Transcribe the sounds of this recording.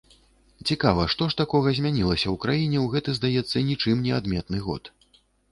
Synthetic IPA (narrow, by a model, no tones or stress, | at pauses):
t͡sʲikavɐʂt̪ɔʂt̪akɔɣɐzʲmʲanʲilˠɐsʲɐwkɾajinʲɛwɣɛt̪ɨzd̪ajɛt̪sːɐnʲit͡ʂɨmnʲɛad̪mʲɛt̪nɨɣɔ̰t̪